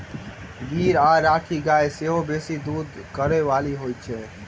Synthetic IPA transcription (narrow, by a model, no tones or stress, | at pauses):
ɡiːɾaːɾaːʈʰiɡaːeseɦobeːsid̪uːd̪kəɾeʋaːliɦojt͡ʃʰɛ